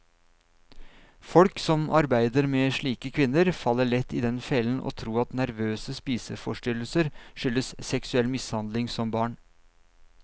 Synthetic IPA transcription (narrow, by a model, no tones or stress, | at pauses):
fɔlksɔmɑɾbæɪd̪əɾmeːʂɭiːkəkʰʋɪnːəɾfɑlːəɭɛt̪ʰːɪːd̪ɛnfɛlən̩ʔo̰ːt̪ʰɾuːɑt̪næɾʋøːsəspiːsəfɔʂʈʏləl̩səɾʂʏlːəssɛksʉɛlːmɪshɑnd̪lɪŋsɔmbɑːɳ